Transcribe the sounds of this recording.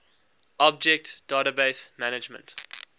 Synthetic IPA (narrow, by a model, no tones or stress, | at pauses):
ɔb̚d͡ʒɛk̚td̥aːɾabeɪsmænɪd͡ʒmə̰̃nt